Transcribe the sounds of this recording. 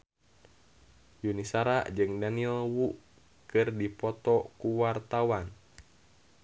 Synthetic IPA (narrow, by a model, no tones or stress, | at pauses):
junisaɾad͡ʒɨŋdaniɔwu | kɨrdipɔt̪ɔkuwart̪awan